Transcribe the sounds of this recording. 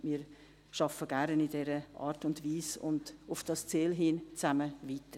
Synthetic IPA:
miːɾ | ʃɑfəɡ̥æɾnidɛɾəʔɑ̰ːɾtʊndʋiːsʊ̰ndʊfd̥ɑst͡seːlɦint͡sæməvitə

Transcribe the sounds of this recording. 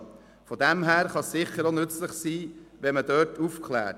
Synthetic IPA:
fɔdæmɦæːɾχɑssɪχəɾonʏt͡sləχsiːʋɛmədœːtufkχlæ̰ːt

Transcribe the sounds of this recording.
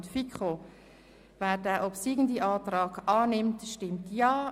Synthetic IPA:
tfikχo | vɛːɾdɛːʔɔpsiɡn̩diʔɑːtrɑːɡɑːnɪmtʃtɪmtjɑː

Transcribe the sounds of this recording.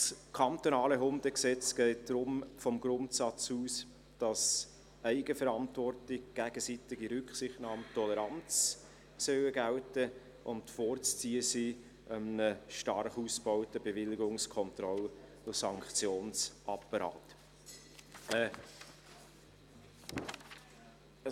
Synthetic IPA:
skʰɑnt̪onɑːləɦʊnd̥əksɛt͡sɡ̥ɛɪt̚d̥ɾʊmfɔmɡɾʊntsɑt͡suːs | d̥ɑs | æɪɡəfɛɾɑntvɔrtɪkɡ̥æɡ̥əsitɪɡiɾʏkχsɪχtnɑːmtʰɔləɾɑnt͡s | sœwəɡæwtə | ʔʊntfoːɾt͡st͡siːəsiː | ʔəmənəʃtɑrχuːsb̥ɔʊtəbevɪlɪɡʊŋskʰɔntrɔl | ʊsɑŋkχt͡sjoːnsʔɑpɑɾɑ̰ːt

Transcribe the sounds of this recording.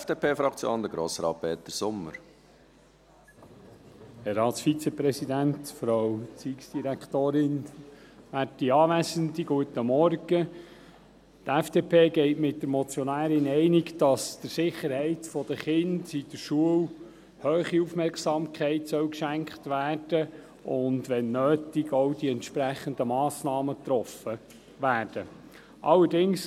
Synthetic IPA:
fd̥eːpʰeːfɾɑkt͡sjo̰ːndəɡɾo̰ːsəɾɑ̰ːpɛːt̚ːəɾsʊmːə̰ɾ | hɛɾɑːt̪sfit͡səpɾɛsid̪æntfɾɑwt͡siːksd̥iɾækχt̪oːɾɪn | ʋæːrtiɑːʋæsənd̪iɡ̥uət̪əmɔrɡ̥ə | tɛfd̥epʰeːɡɛɪtmɪt̚dəɾmɔt͡sjɔnæːɾɪnɛɪniɡd̥ɑsd̥̪əɾsɪχːəɾhɛɪtfɔd̪əχɪndid̥əɾʃuəw | høːχiufmɛɾksɑmkʰχɛɪtsœwkʃæŋkχt̪ʋæːrd̥ə | ʊnd̪ʋɛnːøːtiɡowdiɛntʃpɾæχənd̪əmɑːsnɑːmət̪ɾɔfə | ʋæːɾd̥ə | ʔɑlːəɾdɪŋs

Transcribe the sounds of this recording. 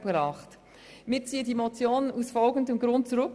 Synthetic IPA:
pɾɑːχt | mɪːɾt͡siːədimɔt͡sjoːnusfɔlɡəndəmɡɾʊnt̚t͡suɾɵk

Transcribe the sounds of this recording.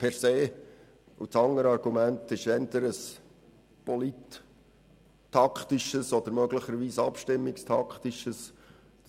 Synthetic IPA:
pʰɛɾseː | ṵt͡sɑŋəɾɑɾɡ̥umæntɪʃɛnt̪əɾəs | pɔlit | ɑktɪʃəsɔd̥̪əɾmœɡlɪχəɾʋiːsɑpʃtɪmːɪkstʰɑkχtɪʃəs

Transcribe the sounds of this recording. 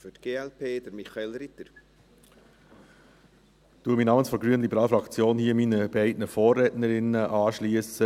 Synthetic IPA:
fʏtɡ̥eːɛlpʰeːd̥əɾmiχɑelɾɪt̪əɾ | tuːmiːnɑːmənsfɔɾɡɾyənlibəɾɑːlfɾɑkt͡sjoːnhiːminəb̥ɛɪdnəfoːrːɛːtnəɾɪnəʔɑːʃliəsə

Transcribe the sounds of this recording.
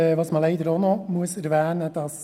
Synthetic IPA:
ʋɑːsmɑlɛɪd̪əɾonomuəsæɾʋæːnəd̥ɑs

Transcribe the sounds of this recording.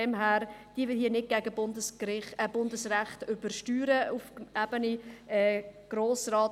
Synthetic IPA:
ɛmɦæːɾd̥iːəʋɪlhiːənɪt̚ɡ̥æɡəbʊndəskɾɪχɛb̥ʊndəsræχtʏbəɾʃtyːɾəufæb̥əniɛɡ̥roːsrɑːt

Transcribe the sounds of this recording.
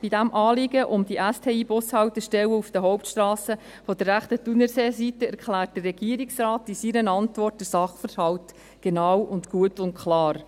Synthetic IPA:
b̥idæmʔɑːlɪɡəʔʊmd̥iʔæstʰeːiːbʊshɑwtəʃtɛwəufd̥əɦɔwptʃtrɑːsə | fɔdərːæχtətunəseːsitəæɾkχlæːrt̚d̥ərːɛɡ̥iːɾiksrɑːtisiɾənɑntʋɔrt̚d̥əsɑχfəɾhɑwt | ɡ̥enɑwʊntɡ̥uətʊntkχlɑːɾ

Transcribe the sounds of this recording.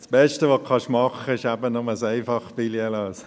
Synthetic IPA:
sb̥ɛʃtəʋokʰɑʃmɑχəɪʃæbənɔməsæɪfɑχbiliəlɑːs

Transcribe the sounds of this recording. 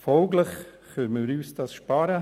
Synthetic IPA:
fɔːɡləχ | kœɾməɾyːsd̥ɑsʃpɑɾə

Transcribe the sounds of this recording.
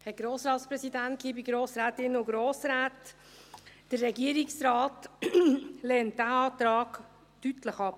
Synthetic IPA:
hɛɡ̥ɾoːsɾɑːt̪spɾɛsidænt̚kʰiːbiɡɾoːsɾæːtɪnəʊɡɾoːsɾæːt | d̥ərːɛɡiəɾiksɾɑːt | lɛːnt̚d̥æɑːtɾɑːɡ | tytləχɑp

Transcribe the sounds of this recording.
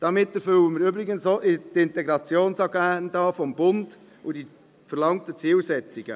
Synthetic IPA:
d̥ɑmɪtːɛɾfʏwəməɾybɾɪɡənsoʔɪtɪntɛɡɾɑt͡sjoːnsɑɡæːəndɑːfɔmbʊnd | ʊdi | fəɾlɑŋtət͡siːlsɛt͡siɡ̥ə̰

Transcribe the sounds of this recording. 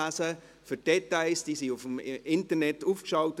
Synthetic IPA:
sə | fyd̥ɛtaɪsd̥iːsiufm̩ʔɪntənɛtuːfkʃɑʊt

